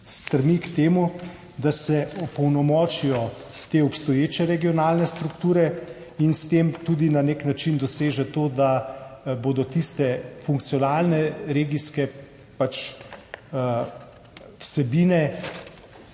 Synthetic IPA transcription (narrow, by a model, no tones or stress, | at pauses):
st̪ɾmikt̪eːmu | d̪asɛɔpɔwnɔmɔːt͡ʃijɔ | t̪eːɔpst̪ɔjeːt͡ʃɛɾɛɡijɔnaːlnɛst̪ɾukt̪uːɾɛ | inst̪eːmt̪uːd̪inaneknat͡ʃind̪ɔseːʒɛt̪oːd̪aboːd̪ɔt̪ist̪ɛfuŋk̚t̪sijɔnaːlnɛɾeːɡiskɛ | pat͡ʃ | wsɛbiːnɛ